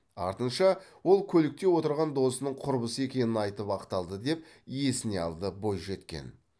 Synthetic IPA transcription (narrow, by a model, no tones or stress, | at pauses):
ɑ̰ɾt̪ənʃɑwo̞lˠkʲʰɵlɪk̚t̪e̞wo̞t̪əɾʁɑnd̪o̞sənəɴqʰʊɾbəsəe̞kʲe̞nɪnɑjt̪əpɑqt̪ɑlˠd̪əd̪e̞p̚ | je̞sɪne̞ɑ̰lˠd̪əbo̞jʒe̞t̪kʲe̞̰n